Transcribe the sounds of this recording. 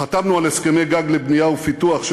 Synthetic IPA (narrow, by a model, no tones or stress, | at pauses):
at̪amnualeskemejɡaɡlebnijaufit̪uaχʃ